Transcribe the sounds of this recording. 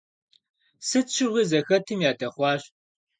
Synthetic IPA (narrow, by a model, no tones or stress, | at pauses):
sɨt͡ʃʰɪʁiːzɐxɐtʰɨmjaːdɐχʷɑːɕ